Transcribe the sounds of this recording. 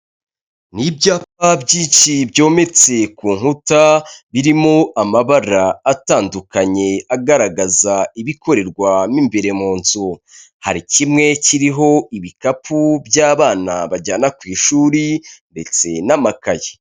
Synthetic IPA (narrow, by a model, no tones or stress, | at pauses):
nibɟaːp̚abɟiːʃibjo̞ːme̞t͡se̞kuːŋ̥hutaβiɾimoʔamaβaɾaːtaːndukaɲe̞aɡaɾaɡazaiβiko̞ɾe̞ɾɡwaniːmbeɾe̞moːnzu | ha̰ɾicimŋe̞ciɾiɦo̞iβikapʰubjaːβaːnaβaɟaːnakwiːʃuːɾinde̞t͡se̞namakaje